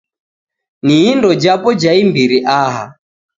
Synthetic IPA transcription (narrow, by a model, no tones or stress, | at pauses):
niindɔd͡ʒapɔd͡ʒaimbiɾiʔaɦa̰